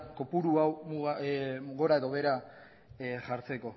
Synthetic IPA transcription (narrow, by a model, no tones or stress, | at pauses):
ko̞puɾuawmuɣuɣo̞ɾae̞ðo̞βe̞ɾa | ʝaɾt͡se̞ko̞